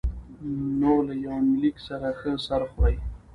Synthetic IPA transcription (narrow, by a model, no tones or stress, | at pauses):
nolajawmɪliksaɾaxəsaɾxwaj